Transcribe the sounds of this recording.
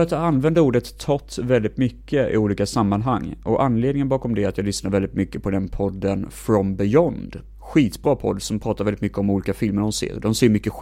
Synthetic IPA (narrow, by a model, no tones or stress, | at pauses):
at̪ɑanːvɛnd̪əuːɖət̪ʰːɔt̪ːvɛld̪ɪt̪mʏkːəɪ̰uːliːkasamːanɦaŋːʔɔʔanːleːd̪ɪŋənbɑːkɔmd̪ɛat̪jɑːɡlʏsnaɾvɛlɪt̪mʏkːəpʰɔd̪ɛnpʰɔd̪ːənfɾɔmbɪjɔnd̪ | ɧiːt̪bɾɑːpʰɔ̰d̪ːsɔmpʰɾɑːt̪aɾvɛlɪt̪mʏkːəɔmuːliːkafɪlməɾɖɔsḛːɾd̪ɔmseːɾmʏkːə